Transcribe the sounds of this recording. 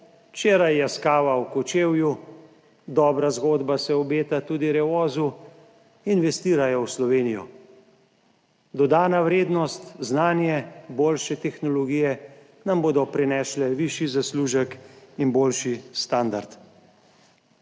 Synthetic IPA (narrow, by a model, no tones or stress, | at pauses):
t͡ʃeːɾajːɛskaːʋawkɔt͡ʃeːwju | d̪ɔːbɾazɡoːd̪basɛɔbeːt̪at̪uːd̪iɾɛʋɔːzu | inʋɛst̪iːɾajɔwslɔʋeːnijɔ̰ | d̪ɔd̪aːnaʋɾeːd̪nɔst̪znaːnjɛboːlʃɛt̪ɛxnɔlɔɡiːjɛ | namboːd̪ɔpɾɛnɛːʃlɛʋiʃizasluːʒəkinboːlʃist̪aːnd̪aɾt̪